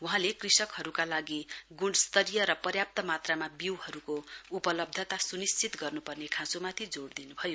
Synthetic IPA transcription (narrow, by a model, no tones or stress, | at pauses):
uɦãlekrisʌkhʌɾukalaɡiɡuɽst̪ʌɾijʌɾʌpʌrjap̚t̪ʌmat̪ramabiwhʌɾukoupʌlʌb̚d̪ʱʌt̪asunist͡sit̪ɡʌrnupʌrnekʰãsomat̪ʰid͡zoɽd̪inubʱʌjo